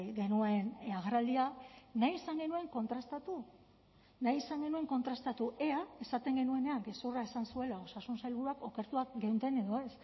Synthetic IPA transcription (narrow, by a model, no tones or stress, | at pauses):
ɡe̞nuenaɣaɾald̪ianajesaŋɡe̞nue̞ŋko̞nt̪ɾast̪at̪u | najesaŋɡe̞nue̞ŋko̞nt̪ɾast̪at̪ueae̞sat̪e̞ŋɡe̞nue̞ne̞aŋɡe̞suraesansue̞lao̞sasunsajlβuɾuako̞ke̞ɾt̪uakɡewnt̪e̞ne̞ðo̞e̞s